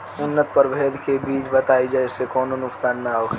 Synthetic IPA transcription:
ʊnːət̪pəɾbʱeːd̪ʱkebiːt͡ʃbət̪aːid͡ʒaesekɔːnonʊksaːnːaɦokʰ

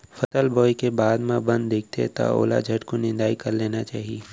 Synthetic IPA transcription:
fɐt̪əlbɔːikebaːd̪mãbɐ̃nd̪ːeːk̚ʰt̪ḛt̪a̰o̰ːla̰d͡ʒʱɐʈkonɪ̃nd̪aːikɐɾleːnat͡ʃaːɦieː

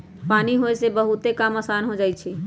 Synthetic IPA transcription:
paːniɦoesebəɦut̪ekamasanɦod͡ʒaːjt͡ʃʰɛ

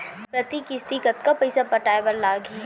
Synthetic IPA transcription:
pɾɐt̪ikist̪ikət̪kapɐɪsapɐʈaːjbəɾlaːɡe

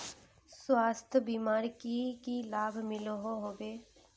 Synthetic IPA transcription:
swaːst̪ʰbiːmaːɾkikilaːbʱmɪloɦoɦoːbeː

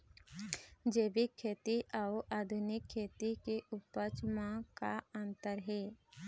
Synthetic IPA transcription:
d͡ʒeːbikʰːeːt̪iʔaʔaːd̪ʱʊnɪkʰːeːt̪ik̪eʔʊpət͡ʃmãkaə̃nt̪əɾɦɛː

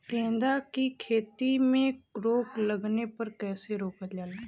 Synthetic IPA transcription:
kẽːnd̪akikʰeːt̪imẽkɾoːkləɡnepəɾkɛːseɾoːkəd͡ʒaːlaː

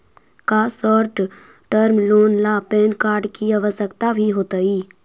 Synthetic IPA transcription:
kaːsɔːɾʈ | ʈəɾmloːnlaːpeːnkaːɾɖkiəʋəsəkt̪abʱiɦoːt̪əiː

